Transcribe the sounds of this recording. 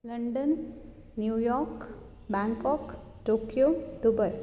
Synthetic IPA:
ləɳɖənː | jujɔɾk | bãŋkɔk | ʈokjod̪ubəj

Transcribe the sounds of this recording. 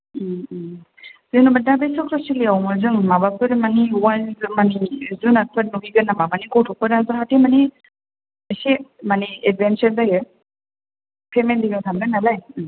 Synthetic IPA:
zenubadabesɔkʰɾɔsiliawmɯzɯŋmabapʰɯɾmaniwazɯmanizunapʰɯɾ̚nuɡiɡɯnamabanikɔtʰɔk̚pɯɾazɔɦatʰemani | mesemanied̚bʱensaɾzajɯ | pʰemendiɡɯŋsʰamɾɯnalaj

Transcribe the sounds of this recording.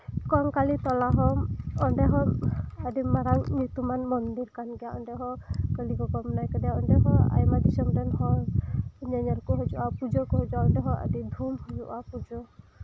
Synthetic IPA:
kɔŋkalit̪ɔlaɦɔɔɳɖɛɦɔadimaɾaŋnut̪umanmɔnd̪iɾkanɡɛaɔɳɖɛɦɔkəliɡɔkɔmnajkɔdijaɔɳɖɛɦɔa̰jmad̪isɔmdɛnhɔ | ɲaɲɔɾkɔɦɔd͡ʒuʔapud͡ʒɔkɔɦɔd͡ʒuaɔɳdɛɦɔa̰did̪ʱumhɔd͡ʒuʔapud͡ʒɔ

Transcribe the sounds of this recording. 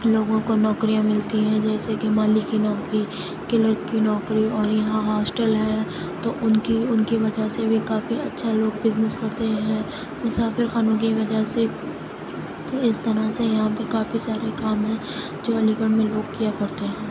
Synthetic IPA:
loːɡõkonɔːkɾijãmɪlt̪iɦɛ̃d͡ʒɛːsekemaːlikinɔːkɾi | kɪləɾkinɔːkɾiɔːɾjɐɦãɦɔːsʈəlɦɛ̃ | t̪oʔʊnkiʊnkiʋɐd͡ʒʱasebʱikaːfiɐtːʃʰaloːɡ̚bɪznɪskɐɾt̪eɦɛ̃ | mʊsaːfɪɾxaːnõk̬iʋɐd͡ʒaɦse | ɪst̪ɐɾasejɐɦãpekaːfisaːɾekaːmɦɛ̃ː | d͡ʒoːɐlikəɽ̃mẽloːɡkijakɐɾt̪eɦɛ̃ː

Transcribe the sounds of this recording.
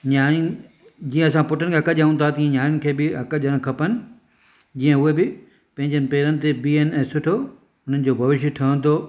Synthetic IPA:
ɲaː | d͡ʑiːə̃ɐsãpʊʈənɪkʰeɦɐkəʄãːn̆t̪ʰat̪iə̃ɲaːɾʊnɪ̆kʰeːbɪɐkəʄaɽ̃kʰɐpənɪ̆ | d͡ʑĩːə̃ʊɦebɪ | pɐ̃ɦɪ̃ɲd͡ʑənɪ̆peːɾənɪ̆t̪ebiːənɪ̆ɛ̃ːsʊʈʰo | ɦʊn̤ənɪ̆d͡ʑoːbʱɐʋɪʃ̬jʈʰɐə̃nt̪ʰoː

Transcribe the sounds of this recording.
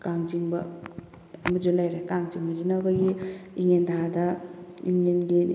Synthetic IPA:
kaŋd͡ʒiŋbɐ̰ | mud͡ʒulajɾekaŋziŋmud͡ʒinaɡaɡiiŋendʰaadaiŋenɡi

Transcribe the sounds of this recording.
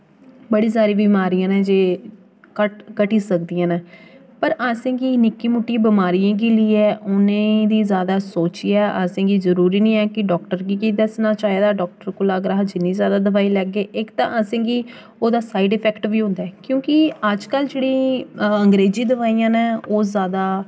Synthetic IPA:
bəɽiːs̬aːɾiːbiːmaːɾijãːnẽːd͡ʒeː | kəʈkəʈiːsəkd̪ijãːnãː | pəɾaːsẽːɡiːnɪkːiːmuʈːĩbɪmaːɾijãːɡiːliːɛːʔʊnẽːd̪iːzjaːd̪aːsoːt͡ʃiːɛːʔa̰ːsẽːɡiːzəɾuːɾiːnĩːɛːkɪɖɔːkʈəɾɡiːkiːd̪ɛːsnãːt͡ʃaːeːd̪aːɖɔːk̚ʈəɾkʊlaːɡɾaːɦd͡ʒɪnːĩːzjaːd̪aːd̪əʋaːiːlɛːɡeːʔɪkt̪ã̰ːʔəsẽːɡiː | oːd̪aːsaːiɖɪpʰɛːkʈʋiːɦʊ̃nd̪aɛːkjõːkɪəd͡ʒkəld͡ʒeːɽĩːəŋɡɾeːd͡ʒĩːd̪əʋaːijãːnẽːoːzjaːd̪aː

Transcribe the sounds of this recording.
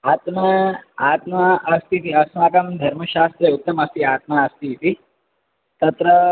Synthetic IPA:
aːt̪mɐaːt̪maːst̪ʰit̪iɐsmaːkɐmd̪ʱɐɾmɐɕaːst̪ɾeut̪ːɐmɐst̪iaːt̪maɐst̪ʰit̪i | t̪ɐt̪ɾə

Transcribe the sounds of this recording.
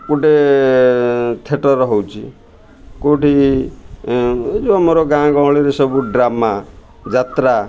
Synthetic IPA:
kuɖe | t̪ʰeʈɔɾɔɦɔwt͡ʃʰḭ | koʈi | d͡ʒoamoɾɔɡãɡɔw̃ɭiɾesɔbuɖɾama | d͡ʒat̪ɾa

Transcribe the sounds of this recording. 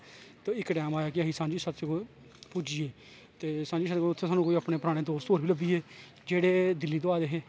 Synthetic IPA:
t̪ãːɪkːʈɛːmaːjaːkɪaɦĩːsãːnd͡ʒiːsət̪t͡ʃeko | pud͡ʒieː | t̪eːsãːd͡ʒiːsəʊt̪ʰːeːsaːnũːkoːiːaːpneːpəɾaːɽ̃eːd̪oːst̪oːɾbiːləbiːeː | d͡ʒeːɽeːd̪ɪlːiːd̪oaːd̪eːɦeː

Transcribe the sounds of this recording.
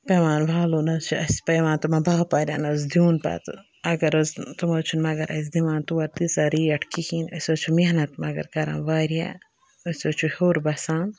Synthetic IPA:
peʋaːnʋaːloːnɐt͡ʃʰuɐspɐːʋãːnt̪umɐbaːpaːɾʲa̰ːnɐzd̪juːnpɐ̰ːt̪ɨ | ɐɡɐɾɐzt̪umoːt͡ʃʰunmɐɡɐɾʔɐ̰s̬d̪iʋãːnt̪uwɐɾt̪isaɾiːɐʈʰkihiːnɐsʲoːt͡ʃʰumiɦnɐt̪mɐɡɐ̰ɾkɐɾa̰nʋaːɾia̰ | ɐsʲoːt͡ʃʰuhoːɾbɐsaːn

